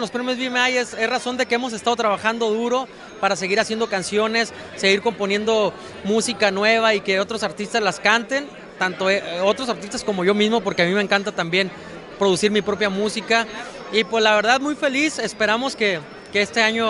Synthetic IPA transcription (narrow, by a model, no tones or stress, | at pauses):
lospɾemjo̞zβimaje̞sezraso̞nd̪e̞keemo̞s̬est̪að̞o̞t̪ɾaβaxand̪o̞ðuɾo̞ | paɾase̞ɣ̞iɾasje̞nd̪okansjo̞ne̞sː | e̞ɣiɾko̞mpo̞nje̞nd̪o̞ | musikanwe̞β̞aike̞o̞t̪ɾo̞saɾt̪ist̪azlaskant̪e̞n | t̪ant̪o̞eo̞t̪ɾo̞s̬aɾt̪ist̪asko̞mo̞ʝo̞mizmo̞po̞ɾke̞amĩme̞ːŋkant̪at̪ambje̞n | pɾo̞ðusiɾmipɾo̞pjamusika | ipwe̞zlaβ̞e̞ɾðaðmujfe̞lise̞spe̞ɾamo̞ske̞ | ke̞e̞st̪e̞aɲo̞